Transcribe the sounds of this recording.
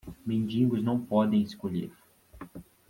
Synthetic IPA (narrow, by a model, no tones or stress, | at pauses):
mẽnd͡ʒĩŋɡʊznɐ̃w̃pɔd̪ẽj̃ɪskoʎḛɾ